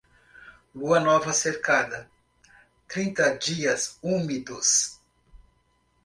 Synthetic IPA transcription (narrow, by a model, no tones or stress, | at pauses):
luɐnɔvɐseɾkad̪ɐ | t̪ɾĩnt̪ɐd͡ʒiɐsumid̪ʊs